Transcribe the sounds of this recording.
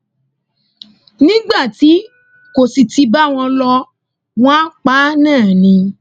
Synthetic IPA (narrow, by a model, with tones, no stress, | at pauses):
nĩ˦ɡ͡ba˦˨ti˨˦ | ko˨si˨ti˧ba˦w̃ɔ̃˧lɔ˧ | w̃ɔ̃˦a˦k͡pa˦nãː˦˨nĩ˧